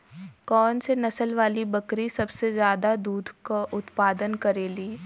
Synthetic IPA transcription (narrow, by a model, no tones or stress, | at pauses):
kɔːnsenɐsəlʋaːlibɐkɾisɐbsezjaːd̪ad̪uːd̪ʱkaʔʊt̪paːd̪ənkɐɾeːliː